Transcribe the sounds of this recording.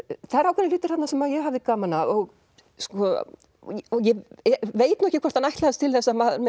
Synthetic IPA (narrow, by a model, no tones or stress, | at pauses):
θaðɛɾawkʰvɛnɪlʏːt̪ʏɾ̥hat̪nasɛmajɛɦavðɪkaːmanaɔɣ | skɔ | ɔjɛveːjt̪nɔɛ̥hcɪkʰvɔɾ̥t̪hanajht̪laðɪst̪ʰɪlθɛsːamaðɾmɛ